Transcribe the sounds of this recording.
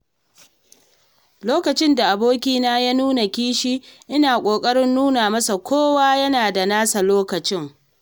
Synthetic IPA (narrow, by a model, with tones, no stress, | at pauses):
loː˦kɐ˨t͡ʃɪ˦nda˨ʔa˨boː˦kʲiː˦naː˦jaː˦nuː˦na˨kʲiː˦ʃiː˦ʔɪ˦naː˨kʷʼoː˨kʼɐ˦ɽɪ˦nːuː˦naː˨mɐ˦sa˨kʷʰoː˦waː˦jɐ˦naː˨da˨naː˦sa˨loː˦kɐ˨t͡ʃɪ˦ŋ